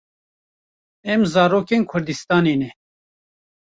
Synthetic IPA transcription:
ɛmzɑːɾoːkeːnkʰʊɾd̪ɨst̪ɑːneːnɛ

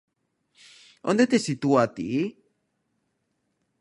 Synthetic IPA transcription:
o̰nd̪et̪esit̪uat̪ḭi

